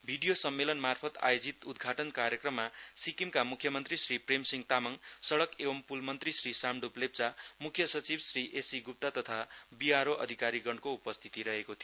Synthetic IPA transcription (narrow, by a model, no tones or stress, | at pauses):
bʱiɖijosʌmːelʌnmarpʰʌt̪a̰jod͡zit̪ud̪ɡʱaʈʌnkaɾjʌkrʌmːasikimkamukʰjʌmʌnt̪risripremsiŋɡt̪amʌŋsʌɽʌkebʌmpulmʌnt̪risrisamɖuplep̚t͡samukʰːjʌsʌt͡sibsriʔesiɡup̚t̪at̪ʌt̪ʰabiaɾoʔʌ̰d̪ʱikaɾiɡʌɳɖkoupʌst̪ʰi̥t̪iɾʌɦekot̪ʰijo